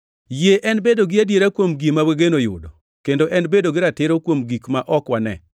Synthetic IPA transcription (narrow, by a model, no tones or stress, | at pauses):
jeʔɛnbedoɡɪadjeɾakwomɡimaweɡenojʊ̰dɔ | kendoʔɛnbedoɡɪɾatɪɾokwomɡikmaʔɔkwanɛ̰